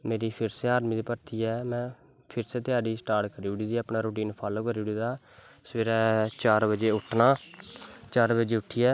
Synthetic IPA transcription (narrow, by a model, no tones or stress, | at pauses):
meːɾiːpʰɪɾseːaːɾmĩːd̪iːpəɾt̪ʰiːɛːmɛ̃ː | pʰɪɾseːt̪ɪjaːɖiːsʈaːɾʈkəɾiːɽiːd̪iːaːpnaːɾoːʈiːnpʰaːloːkəɾiːɽiːd̪aː | səʋeːɾɛːt͡ʃaːɾbəd͡ʒeːʊʈʰnaː | t͡ʃaːɾbəd͡ʒeːʊʈʰːiːɛː